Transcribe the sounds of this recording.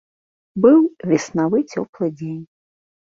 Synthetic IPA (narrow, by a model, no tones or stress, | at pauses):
bɨwvʲɛsnavɨt͡sʲɔ̰plˠɨd͡zʲenʲ